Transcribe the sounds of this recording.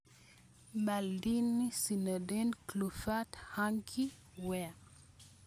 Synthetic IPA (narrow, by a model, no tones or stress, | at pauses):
mbaldinːisinədɛnklufathaŋkʰi | wɛ